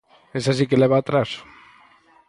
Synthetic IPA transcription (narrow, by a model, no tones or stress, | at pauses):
esasikeleβaːt̪ɾas